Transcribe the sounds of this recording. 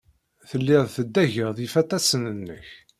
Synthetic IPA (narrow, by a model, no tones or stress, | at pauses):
θəlːɪðθəd̪ːæʝəðifæt̪æsənənːə̰ç